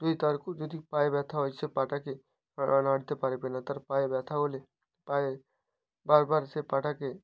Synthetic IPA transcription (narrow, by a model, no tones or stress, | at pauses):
d̪uit̪aɾkd͡ʒɔd̪ʱipaːjebɛːt̪ʰaɦojsepaʈake | ʔanaːɽt̪epaːɾepenat̪əɾpaːjebɛːt̪ʰaɦole | paːe | baːɾbaːɾsepaːʈake